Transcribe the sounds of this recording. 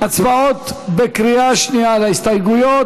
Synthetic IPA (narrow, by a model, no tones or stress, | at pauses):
at͡svaot̪bekɾiaʃnialaist̪ajɡujo